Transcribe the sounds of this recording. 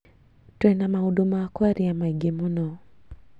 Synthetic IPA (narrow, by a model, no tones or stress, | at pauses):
twɛnamahudumaakwaɾiamaiɡemunɔ